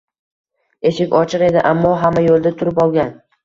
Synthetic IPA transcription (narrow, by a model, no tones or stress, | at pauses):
e̞ʃɪkʲɒt͡ʃʰɪɾe̞d̪ɪʔamːɒɦamːajolˠd̪at̪ʰʊɾɪpɒlˠɡʲan